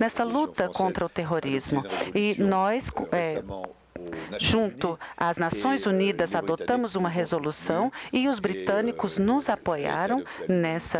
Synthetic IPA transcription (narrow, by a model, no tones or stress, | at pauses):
nɛsɐlut̪ɐkõnt̪ɾɐʊt̪eɦoɾizmʊɪnɔskɛ | ʒũnt̪ʊɐznasõj̃zunid̪ɐzad̪ot̪ɐ̃mʊzũmɐɦezolusɐ̃w̃ɪʊzbɾit̪ɐ̃nikʊznʊzapoja̰ɾɐ̃w̃nɛsɐ